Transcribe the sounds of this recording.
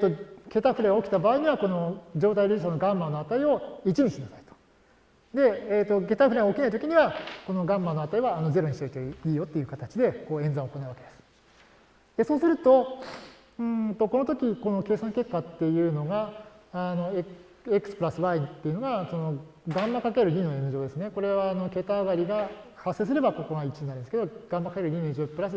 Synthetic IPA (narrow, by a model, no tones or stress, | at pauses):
et̪ːo̞ɡe̞t̪aɸɯ̟ɾeokʲi̥t̪abaːiɲ̟iβako̞no̞d͡ʑo̞ːt̪aiɾʲɯisono̞ɡãmːanoat̪aio̞it͡ɕiɲiɕinasai̥t̪o̥ | d̪e̞et̪ːo̞ke̞t̪aɸɯɾeɡaokʲinait̪o̞kʲiɲ̟iβako̞no̞ɡãmːanoat̪aiβaːno̞ze̞ɾo̞ɲ̟iɕit̪oit̪oiːjo̞t̪ːe̞jɯ̟kat̪at͡ɕid̪e̞ko̞ːẽnd͡zãɰ̃oko̞naɯ̟βake̞d̪esɨ̥ | d̪̥e̞so̞ːsɨɾɯ̟t̪o̞ | ɯ̃ːt̪o̞ko̞no̞t̪̬o̞kʲiko̞no̞ke̞ːsãŋke̞kːat̪ːe̞jɯ̟ːno̞ɡaː | no̞e | ekɯ̟̥sɨ̥pɯ̟ɾasɨbaĩnt̪ːe̞iɯ̟noɡaso̞no̞ɡãmːakake̞ɾɯ̟ɲ̟ino̞ẽ̞n̟ʑo̞ːd̪e̞sɨne̞ko̞ɾe̞βaːno̞ke̞t̪aɡaɾʲiɡahasːe̞ːs̬ɨɾe̞bakokonait͡ɕionaɾĩnd̪sked̪oɡ̥ãmːakakeɾɯ̟ɲ̟ineɲ̃d͡ʑopɯ̟ɾasɨ